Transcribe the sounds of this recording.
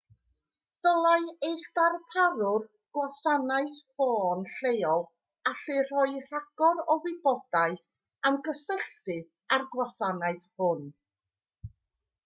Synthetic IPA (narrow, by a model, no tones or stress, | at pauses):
d̥əlˠajejχd̥arpʰaɾʊr | ɡ̥wasanaɨθfoːnɬejɔlˠ | aɬɨr̥ɔjr̥aɡ̥ɔɾɔwɪbɔd̥aɨθ | amɡəsəɬtɨ | arɡwasanaɨθhʊn